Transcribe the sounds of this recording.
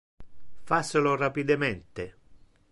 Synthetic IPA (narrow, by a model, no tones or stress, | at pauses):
fasɪlorapid̪ement̪e